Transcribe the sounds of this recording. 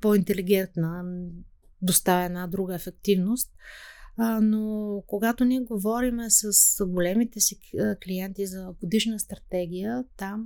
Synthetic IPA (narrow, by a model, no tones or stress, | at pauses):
pɔint̪ɛliɡ̟ʲɛnt̪nə | d̪ost̪avɛnad̪ɾuɡəɛfɛk̚t̪ivnost̪̚ | nokoɡat̪oniɛɡovɔɾimɛsəsɡolɛmit̪ɛsikliɛnt̪izɐɡod̪iʃnəst̪ɾɐt̪ɛɡ̟ijət̪am